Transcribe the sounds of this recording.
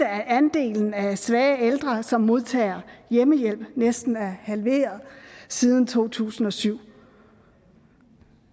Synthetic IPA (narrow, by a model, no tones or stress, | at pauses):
əæænd̥e̝̰ːln̩æsʋɛːeld̥ʁɐsɒ̽mːo̝ð̞ˠt͡sʰɛ̰ːɐjeməjel̰b̥nesd̥n̩æɐhælʋe̝̰ːɐðˠsið̞ˠn̩t͡sʰo̝̰ːt͡sʰṵːsn̩ɒ̽syʊ̰